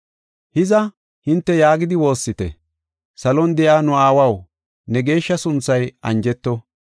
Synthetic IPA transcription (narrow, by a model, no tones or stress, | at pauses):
hɪzɐ | hɪnt̪ːɛjaːɡɪd̪ɪwo̞ːsːɪt̪ɛ̰ | sɐlɔnd̪ɛjaːnʊaːwɐw | nɛɡe̞ːʃːɐsʊnt͡sːɐjɐ̰nd͡ʒɛt̪ːɔ